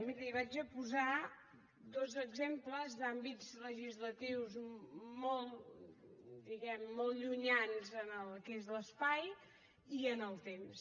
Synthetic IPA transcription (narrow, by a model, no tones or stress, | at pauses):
miɾəiβad͡ʒəpuza | d̪ozəɡzempləzðambid͡zləʒizlət̪iwzmɔlˠ | d̪iɣɛmːɔlˠʎuɲanzənəlˠkezləspaj | iənəlˠt̪ems